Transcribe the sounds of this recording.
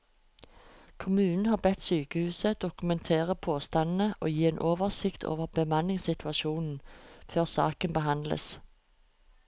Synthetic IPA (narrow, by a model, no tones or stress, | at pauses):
kʰʊmʉːnn̩hɑːʁbɛt̪syːkəhʉːsəd̪̥ʊkʉmɛnt̪ʰeːʁəpʰoːst̪ɑnn̩əʔo̰ːjiːeːnʔoːʋəʁsɪkt̪ʰo̰ːʋəʁbəmɑnɪŋsɪt̪ʰʉɑʃuːnn̩føːʁsɑ̰ːkənbəhɑnd̪lə̰s